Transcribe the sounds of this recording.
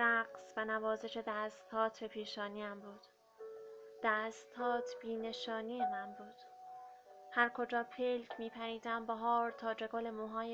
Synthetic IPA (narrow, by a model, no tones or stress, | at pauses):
ɾæɢsvænævɒːze̞ʃe̞d̪æːst̪ʰɒːt̪ʰepʰiːʃɒːniæmbuːd̪̥ | d̪̥æːst̪ʰɒːt̪ʰb̥iːne̞ʃɒːniːemænbuːd̪̥ | hæɾkʰo̞d͡ʒɒːpʰelcʰmiːpʰæɾiːd̪æmbɒɦɒːɾt̪ʰɒːd͡ʒeɡole̞muːɦɒːje